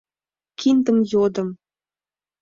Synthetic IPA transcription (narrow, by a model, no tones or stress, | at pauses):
kind̪əmjod̪ə̆m